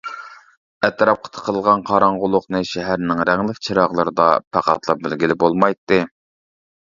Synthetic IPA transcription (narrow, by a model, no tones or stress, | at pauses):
ɛt̪ʰɾɑp̚qʰə̥t̪ʰə̥qʰəlˠʁɑnqʰɑɾɑɴʁʊlˠːʊqnɨʃɛɦæɾnɪŋɾɛŋlɪkʲt͡ʃʰiɾɑʁlˠɨɾɨd̪ɑ̰pʰæqɑ̰t̪lˠɑp̚bɪlɡʲilɪbolˠmɑjt̪ːɨ